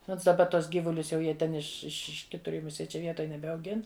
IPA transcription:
ˈnoːns dɐˈbɐ ˈtuɔs ˈɡʲiːʋʊlʲʊs jɛʊ ˈjiɛ tʲɛn ɪʃ ɪʃ ˈɪʃ ˈkʲɪtʊr ɪm ˈjɛʊ mʊˈsʲiɛ ˈt͡ʃʲɛ ˈʋʲiɛtoːj nʲɛbʲɛɐʊˈɡʲɪn

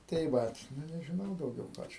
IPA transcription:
tɐɪ ˈʋɐt ˈnʊ nʲɛʒʲɪˈnɐʊ dɐʊˈɡʲɛʊ ˈkɑː t͡ʃʲɛ

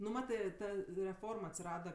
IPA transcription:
nʊ ˈmɑːtɜ ˈtɐ rʲɛˈfoːrm ɐtʲsʲɪˈrɑːdɐ

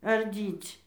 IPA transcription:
ɐrʲˈdʲiːt͡sʲ

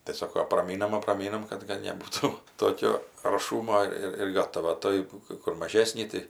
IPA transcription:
tɐɪ ˈsoːkoː ɐprɐˈmʲiːnɐm ɐprɐˈmʲiːnɐm ˈkɐt kɐt nʲɛˈbuːtuː ˈtoːkʲoː ɐrˈʃuːmoː ˈɪr ɪr ˈɡɑːtɐʋɐ ˈtoːj kɜ ˈkʊr mɐˈʒʲæːsʲnʲiː ˈtɐɪ

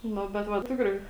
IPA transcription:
ˈnʊ bʲɛt ˈʋɐ ˈtʲɪkrɐɪ

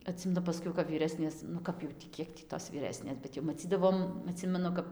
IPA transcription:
ɐˈtʲsʲɪmʲɛnʊ pɐˈsʲkʲɛʊ kɐp ʋʲiːˈrʲæːsʲnʲeːs nʊ ˈkɐp jɛʊ tʲiː ˈkʲiɛk tʲiː toːs ʋʲiːˈrʲæːsʲnʲeːs bʲɛt jɛʊ mɐˈt͡sʲiːdɐʋoːm ɐˈtʲsʲɪmʲɛnʊ kɐp

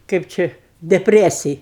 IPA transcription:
ˈkɜp ˈt͡ʃʲɛ dʲɛpʲˈrʲæːsʲɪj

